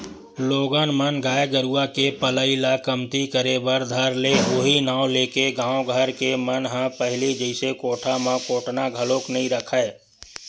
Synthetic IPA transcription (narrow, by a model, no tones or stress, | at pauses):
loːɡənmənɡaːjɡəɾuakepələilakəmt̪ikəɾebəɾd̪ʱəɾleoɦinaːwleːkeɡãːõɡʱəɾkemənɦə̃pəɦɪlid͡ʒəɪsekoːʈʰamãkoːʈnaɡʱəloːknɐɦĩɾəkʰəe